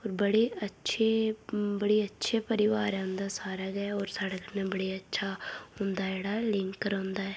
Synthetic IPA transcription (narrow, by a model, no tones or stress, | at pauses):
oːɾbəɽeːətːʃʰeːbəɽeːətːʃʰeːpəɾɪʋaːɾɛʊ̃nd̪aːsaːɾaːɡɛːɔːɾsaɽəknẽːbəɽeːətːʃʰaːɦʊnd̪aːeːɽaːlɪŋkːəɾõːnd̪aːɛː